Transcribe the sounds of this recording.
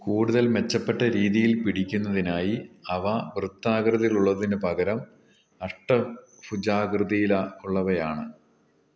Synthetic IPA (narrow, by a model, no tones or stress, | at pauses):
kuːɽuðɐlme̞t͡ɕːɐpːe̞ʈːɐɾiːðijilpiɽikʲːunːɐðinaːjiɐʋɐʋrɨt̪ːaːɡrɨðiluɭːɐðindepɐɡɐɾɐm | ɐʂʈːɐ | fud͡ʑaːɡrɨðijilɐuɭːɐʋɐjaːɳɨ